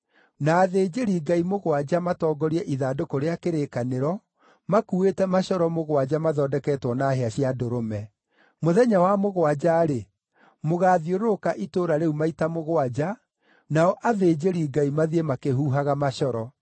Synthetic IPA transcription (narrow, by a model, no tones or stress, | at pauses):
naːðeːd͡ʑeɾiɡaimoɣwad͡ʑamatɔːɡɔɾiɛʔiðaːdokoɾeakeɾekaneɾɔ | makuetɛmaɕɔɾɔmoɣwad͡ʑamaðɔːdɛkɛːtwɔnaɦeaɕiadoɾomɛ | moðɛɲawamoɣwad͡ʑaɾe | moɣaːðioɾokaʔitoːɾaɾeumaitamoɣwad͡ʑa | naɔʔaðed͡ʑeɾiːɡaimaðiemakehuːɦaɣamaʃɔɾɔ